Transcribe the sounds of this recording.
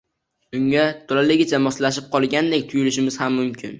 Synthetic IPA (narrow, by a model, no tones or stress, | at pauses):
ʊŋʲat̪ʰolalɪɡʲɪt͡ʃʰamɒslaʃ̬ɪp̚qʰɒlˠɡʲand̪e̞kʲt̪ʰʊjʊlɪʃɪmɪz̥hamːʊmkʲʰɪ̰n